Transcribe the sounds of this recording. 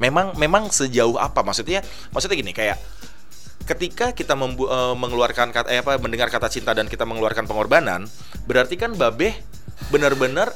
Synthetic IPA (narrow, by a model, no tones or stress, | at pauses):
memaŋmemaŋsəd͡ʒaʊɦa̰pamaksut̪̚ɲa | maks̬ut̪̚ɲaɡinikajaʔ | kət̪ikakit̪aməmbuəməŋəluarkankajapaməndəŋarkat̪at͡ʃint̪adankit̪aməŋəluarkanpəŋorbana̰n | bəɾart̪ikanbabɛh | bənərbənər